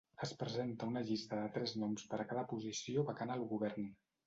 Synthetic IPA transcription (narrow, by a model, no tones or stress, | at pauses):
əspɾəzent̪əunəʎist̪əðət̪ɾɛznɔmspəɾəkaðəpuzisioβəkanːlˠɣuβ̞ɛrn